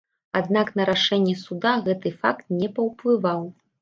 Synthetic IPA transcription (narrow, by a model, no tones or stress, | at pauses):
ad̪naknɐɾaʂɛnʲːɛsud̪aɣɛt̪ɨfakt̪̚nʲɛpɐwplˠɨvaw